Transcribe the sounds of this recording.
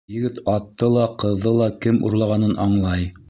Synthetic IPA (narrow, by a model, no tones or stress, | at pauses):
jɘ̆ɡɘt̪ɑt̪ːɤlˠɑqɤ̆ðːɤlˠɑkɘmṵɾlˠɑʁɑnɤnʔɑɴlˠɑj